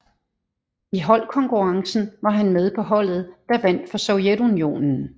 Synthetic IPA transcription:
iɦɒ̽l̰kʰɒ̽ŋkʰuʁɑ̈ŋsn̩ʋɑ̈ɦænmeð̞ˠpʰɒ̽ɦɒ̽l̰ð̞̩ˠd̥ɑ̈ʋæn̰d̥fɒ̽sɒʊjedunjo̝̰ːnn̩

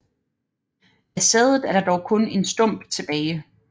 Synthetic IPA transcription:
æsɛðˠð̩ˠæɐɾ̥ɑ̈d̥ɒʊkʰɔ̽ne̝nsd̥ɔ̽m̰b̥t͡sʰe̝b̥ɛːɪ

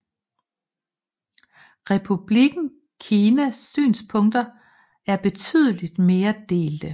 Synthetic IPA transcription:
ʁɛpʰub̥liɡ̥n̩ | kʰiːnæsːy̰ːnspʰɔ̽ŋd̥ɐ | æɐb̥e̝t͡sʰy̰ð̰ˠəlid̥me̝ːɐd̥e̝̰ːld̥ə

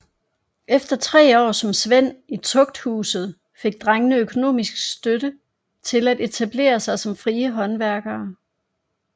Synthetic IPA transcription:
efd̥ɐt͡sʰʁɛ̰ːɒ̰ːsɒ̽msʋen̰it͡sʰɔ̽ɡ̥̚d̥hṵːsð̩ˠ | fe̝ɡ̥̚d̥ʁaŋənəøkʰo̝no̝̰ːmisɡ̥sd̥øɾ̥ə | t͡sʰe̝læd̥e̝t͡sʰæb̥le̝̰ːɐsɑ̈ɪsɒ̽mfʁiːəɦɒ̽nʋæɐɡ̥ɐː

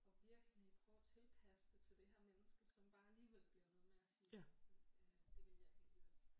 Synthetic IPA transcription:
ɒ̽ʋiɐɡ̥əlipʰʁœʊt͡sʰe̝lpʰæsə̥d̥et͡sʰe̝ld̥e̝hæɐmenəsɡ̥əsɒ̽mb̥ɑ̈ːæliːʋel̰b̥liɐnɔ̽ːðˠmeæsiː | d̥e̝ʋe̝ljafeɡ̥i

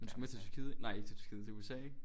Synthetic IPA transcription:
end̥usɡ̥met͡sʰet͡sʰy̥ɐkʰið̞̰ˠnɑ̈ɪ̰eɡ̥̚t͡sʰet͡sʰy̥ɐkiðˠt͡sʰe̝uesɛ̰ːeɡ̥

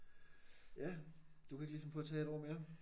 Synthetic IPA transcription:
jæd̥ukʰæe̝ɡ̥lisɒmpʰɒ̽t͡sʰɛ̰ːe̝ɾɒ̰me̝ːɐ

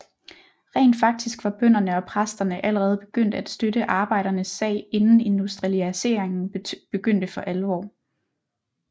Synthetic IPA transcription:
ʁɛ̰ːnd̥fɑ̈ɡ̥̚d̥isɡ̥ʋɑ̈b̥œn̰ɐnəɒ̽pʰʁasd̥ɐnəʔæləʁɛːð̞̩ˠb̥e̝ɡ̥øn̰d̥æd̥sd̥øɾ̥əʔɑ̈ːb̥ɑ̈ɪ̰ɾ̥ɐnəsːɛ̰ɪ̰e̝nn̩e̝nd̥usd̥ʁiæse̝̰ɐ̰eŋn̩b̥e̝ɡ̥øn̰d̥əfɒ̽ʔælʋɒ̰ː

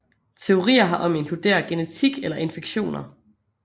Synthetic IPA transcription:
t͡sʰe̝o̝ʁḭːɐɦɑ̈ʔɒ̽me̝ŋkʰlud̥e̝̰ːɐɡ̥e̝net͡sʰiɡ̥elɐʔe̝nfeɡ̥ɕo̝̰ːnɐ

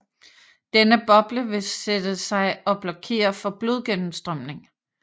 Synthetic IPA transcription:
d̥enəb̥ɒ̽b̥ləʋe̝sed̥əsɑ̈ɪɒ̽b̥lɒ̽kʰe̝̰ːɐfɒ̽b̥lo̝ð̞ˠɡ̥enm̩sd̥ʁɶm̰ne̝ŋ

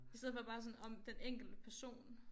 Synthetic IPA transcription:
isteð̰ˠfɒ̽bɑ̈ːs̬ɒ̽nɒ̽md̥eneŋ̰ɡ̥l̩d̥əpʰæɐso̝̰ːn

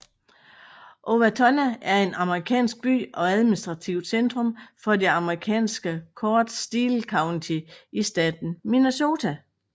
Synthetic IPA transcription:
ʔo̝ʋæt͡sʰɒnææɐe̝nɑ̈məʁikʰɛ̰ːnsɡ̥̚b̥y̰ːɒ̽æð̞ˠminisd̥ʁɑ̈t͡sʰiʊd̥send̥ʁɔ̽mfɒ̽de̝ɑ̈məʁikʰɛ̰ːnsɡ̥əkʰɒːd̥sd̥iːlkʰɑ̈ʊnt͡sʰiisd̥ɛːd̥n̩mineso̝ːt͡sʰæ

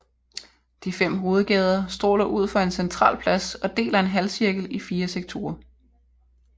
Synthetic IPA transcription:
d̥ifem̰ɦo̝ːð̞̩ˠɡ̥ɛːð̞ˠɐsd̥ʁo̰ːlɐʔuð̞̰ˠfɒ̽e̝nsent͡sʰʁɑ̰̈ːlpʰlæsɒ̽d̥e̝̰ːlɐe̝nɦælsiɐɡ̥l̩ifiːɐseɡ̥̚t͡sʰo̝ːɐ

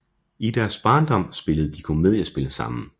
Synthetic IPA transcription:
id̥æɐsb̥ɑ̈ːnd̥ɒ̽m̰sb̥e̝ləð̞̩ˠd̥ikʰumeðˠæsb̥e̝ləsɑ̈m̰n̩

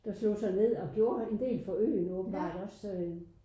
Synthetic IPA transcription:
d̥ɑ̈slo̰ːsɑ̈ɪne̝ð̞̰ˠɒ̽ɡ̥jo̝ːɐe̝nd̥e̝̰ːlfɒ̽ø̰ːnɔːb̥n̩b̥ɑ̰̈ːd̥ɒ̽s

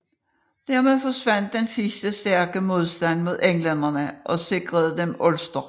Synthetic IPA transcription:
d̥æɐ̰meðˠfɒ̽sʋæn̰d̥ensisd̥əsd̥æɐɡ̥əmo̝ð̞ˠsd̥æn̰mo̝ð̞̰ˠeŋlenɐnəʔɒ̽se̝ɡ̥ʁɐð̞̩ˠəd̥emɔlsd̥ɐ

